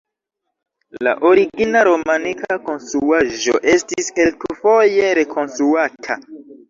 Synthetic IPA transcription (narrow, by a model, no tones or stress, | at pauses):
la̰ʔo̞ɾiɡinaɾo̞manikako̞nstɾuaʒo̞ʔe̞stiskelkufo̞je̞ɾe̞kʰo̞nstɾuatʰa̰